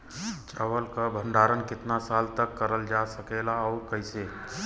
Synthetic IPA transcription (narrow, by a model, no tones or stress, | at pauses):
t͡ʃaʋəlkabʱə̃ɳɖaːɾənkɪt̪nasaːlt̪əkːəɾəld͡ʒasəkelaɔːɾkəɪse